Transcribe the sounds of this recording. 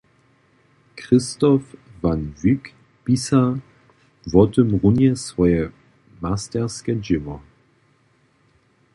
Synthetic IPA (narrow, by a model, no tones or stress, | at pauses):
kʁ̥ɪstɔfvanvyk | b̥isa | vɔtəmʁʊnjɛsv̥ɔjə | mastɛɐskəd͡ʒɪmɔ